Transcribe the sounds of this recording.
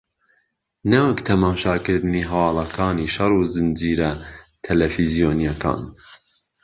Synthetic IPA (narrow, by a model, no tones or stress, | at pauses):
nɐwəkt̪ʰɐmɑːʃɑːkɨɾd̪ɨniːɦɐwɑːlˠɐkʰɑːniːʃɐrˤuːzɨnd͡ʒiːɾɐt̪ʰɐlɛfizijoːnijɛkʰɑ̰̃ːn